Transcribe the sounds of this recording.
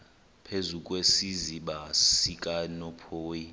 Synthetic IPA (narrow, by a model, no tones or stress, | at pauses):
pʰezukʼwesiziɓassikʼanɔpʰoːji